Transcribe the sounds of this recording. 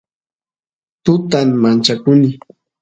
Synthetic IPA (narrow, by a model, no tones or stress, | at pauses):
t̪ʊt̪ammant͡ʃakʊnɪ